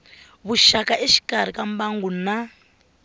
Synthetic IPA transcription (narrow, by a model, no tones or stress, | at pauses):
βuʃakaʔeʃi̥kaɾ̤ikambaŋɡuna